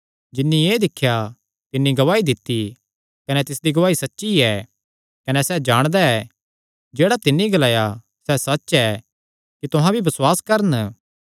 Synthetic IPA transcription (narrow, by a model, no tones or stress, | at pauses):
d͡ʒɪnːĩeːd̪ɪkʰːja | t̪ɪnːĩɡɐʋaːid̪ɪt̪ːi | kɐnɛt̪ɪsd̪iɡɐʋaːisɐtːʃiɛ | kɐnɛsɛd͡ʒaːɽ̃d̪aɛ | d͡ʒeːɽat̪ɪnːiɡɐlaːja | sɛsɐtːʃɛ | kit̪ʊɦãbʱibɐswaːskɐɾən